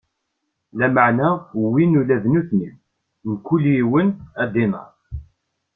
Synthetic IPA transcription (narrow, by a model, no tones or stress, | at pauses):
læməʕnæwinulæðnuθniw | nkːuljiwənæd̪inə̰ɾ